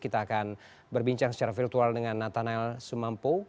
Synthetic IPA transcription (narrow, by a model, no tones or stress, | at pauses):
kit̪aːkan | bərbiɲt͡ʃaŋsə̥t͡ʃaɾafirt̪ualdəŋanːat̪anaɛlsəmampo